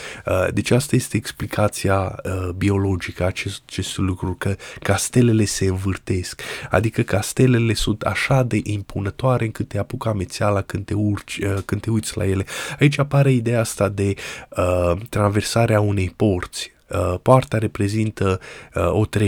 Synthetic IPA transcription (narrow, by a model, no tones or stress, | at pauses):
əd̪e̞t͡ʃast̪aje̞st̪e̞ːksplikʰat̪siaəbio̞lo̞d͡ʒikəat͡ʃet͡ʃe̞st̪lukɾukəkːast̪e̞le̞le̞se̞ɨnvɨrt̪e̞ska̰d̪ikəkast̪e̞le̞le̞sunt̪a̰ʃad̪e̞ʔimpʰunət̪oaɾe̞ɨŋkɨt̪ːeapukame̞t̪sealakɨnt̪eurt͡ʃəkɨnt̪e̞ujt̪sʲla̰je̞le̞ait͡ʃʲapaɾeid̪ejaast̪ad̪e̞ət̪ɾanve̞rsaɾeaune̞jpo̞rt̪sʲ | əpoart̪aɾe̞pɾe̞zint̪əo̞t̪ɾe